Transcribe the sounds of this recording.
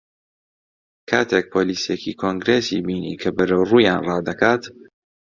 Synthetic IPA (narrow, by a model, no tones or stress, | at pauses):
kʰaːt̪ʰek̚pʰoliːsjekʰikʰoŋɡɾeːsḭbiːnḭːkʰɐbɨɾowruːjaːnrɑːd̪ɐkʰaːt̪